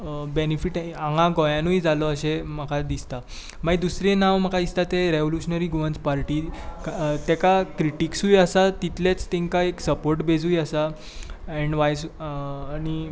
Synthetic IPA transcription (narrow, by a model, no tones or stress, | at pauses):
benifiʈãŋɡãɡɔjãnujd͡zalɔəɕeməkʰad̪ist̪a | maid̪usɾẽnaʋm̤əkʰad̪ist̪at̪eɾeʋoljuɕnəɾiɡuʋə̃nt͡spaɾʈiː | t̪ɛkakɾiʈiksujəsat̪it̪let͡st̪ẽŋkaeksəpoɾʈbʱed͡zujəsa | ɛ̃ɳɖʋajsː | ñi